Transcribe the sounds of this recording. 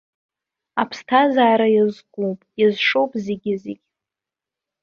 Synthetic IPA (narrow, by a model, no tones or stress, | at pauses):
apʰstʰazaːɾajazɡʷʼupʼjazʂo̞wpʼzeɡʲɪzeɡʲ